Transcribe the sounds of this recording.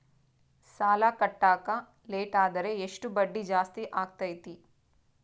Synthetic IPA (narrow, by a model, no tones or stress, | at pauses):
saːlakɐʈːaːkɐ | leːʈaːd̪ɐɾe̞eʂʈubɐɖːid͡ʒaːst̪iʔaːɡ̚t̪ɐjt̪i